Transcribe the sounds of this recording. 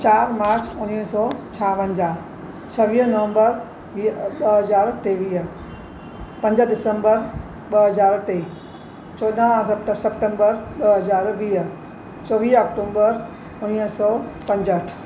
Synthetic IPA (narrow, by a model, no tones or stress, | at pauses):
t͡ɕaːɾmaːɾt͡ɕʊniɦsɔːt͡ɕʰaːʋɐ̃ɲd͡ʑaː | t͡ɕʰɐʋiːɦnɐʋə̃mbəɾ | ʋiɓɐɦɐzaːɾʈeːʋiːɦ | pɐ̃ɲd͡ʑəɗɪsə̃mbəɾ | ɓɐɦɐzaːɾʈeː | t͡ɕɔːɗãɐpʈsɐpʈə̃mbəɾɓɐɦɐzaːɾʋiːɦ | t͡ɕɔːʋiːɦɔːkʈõːmbəɾ | ʊniːɦsɔːpɐ̃ɲd͡ʑəʈʰ